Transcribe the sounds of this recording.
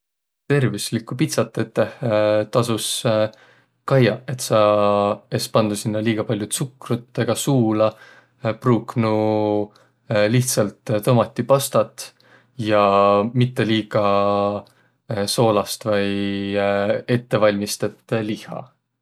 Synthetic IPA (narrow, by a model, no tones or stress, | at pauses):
t̪e̞rvislikːˑupit̪sɑt̪ːˑet̪ːˑeht̪ɑsus | kɑjɑe̞t̪sɑ | espɑnd̪̥usinːɑliːɡ̥ɑpɑlʲjut̪sukrut̪ːeɡ̥ɑsuːlɑ | pruːknu | liht̪sɑlt̪t̪omɑt̪ːˑipɑst̪ɑt̪ːˑ | jɑmit̪ːe̞liːɡ̥ɑ | so̞ːlɑst̪vɑj | e̞t̪ːe̞vɑlʲmist̪et̪ːˑlihɑ̰